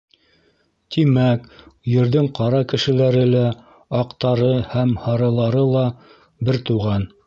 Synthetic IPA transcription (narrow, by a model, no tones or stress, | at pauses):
t̪imækjɵ̆ɾðɘŋqɑɾɑkɘ̆ʃɘ̆læɾɘlæ | ɑqt̪ɑɾɤhæmhɑɾɤ̆lˠɑɾɤlˠɑ | bɘɾt̪uʁɑn